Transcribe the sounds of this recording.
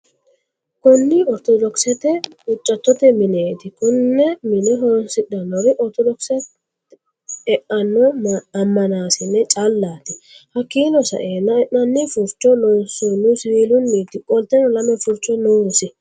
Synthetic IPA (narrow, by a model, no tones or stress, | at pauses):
kʊnːɪɔɾt̪ɔd̪ɔksɛt̪ɛʊt͡ʃʼːɐt̪ːɔt̪ɛmɪneːt̪ɪkʊnːɛmɪnɛɦɔnsɪɗɐnːɔɾɪʔɔɾt̪ɔd̪ɔksɛ | ɛʔɐnːɔɐmːɐnaːsɪnːɛt͡ʃʼalːaːt̪ɪhɐkːiːnɔsɐ̰ʔeːnːɐɛʔɐnːɪfʊɾt͡ʃʼːɔnɔnsɔnʊseːlʊnːit̪ɪkʼɔlt̪ːɛnɔlɐmɛfʊɾt͡ʃʼːɔnosɪ